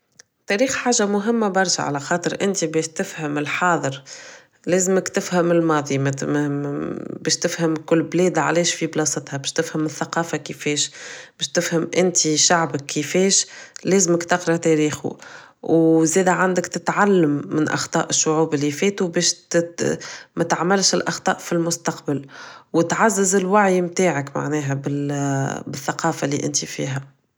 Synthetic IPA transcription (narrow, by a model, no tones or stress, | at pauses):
t̪ɛɾiːxħaːʒamʊɦɪmːæbɑɾˤʃa̰ʕa̰læxɑːt̪ˤɨɾʔɪnt̪ibɛːʃt̪ɪfhɪmɪlħɑːðˤəɾ | lɛːzɪmɪkt̪ɪfhɪmɪlmɑːðˤimæt̪mmbɛːʃt̪ɪfhəmkʊlːblɛːd̪ʕa̰lɛːʃfiblɑːsɑt̪hæbɛːʃt̪ɪfhəmɪθːaqɑːfakəfɛːʃb̥ɛːʃt̪ɪfhəmʔɪnt̪iʃaʕbəkːifɛːʃlɛːzməkt̪ɑqɾˤɑt̪ɛɾiːxṵ | wzɛːd̪æʕand̪əkt̪ɪt̪ʕalːamːɪnʔɑ̰xt̪ˤɑ̰ːʔɪʃːʊʕuːbɪlːifɛːt̪ubɛːʃ | mɛt̪ʕmalʃɪlʔɑxt̪ˤɑːʔfilmʊst̪ɑqbalwɪt̪ʕazːɪzɪlwaʕjmt̪aːʕəkma̰ʕnɛːɦæbɪ | bɪθːaqɑːfalːḭːʔɪnt̪ifḭːɦæ